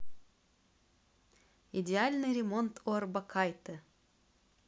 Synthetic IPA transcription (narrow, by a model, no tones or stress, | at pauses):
idʲɪalʲnɨjɾʲɪmo̞nt̪ʰorbɐkʰajt̪ɨ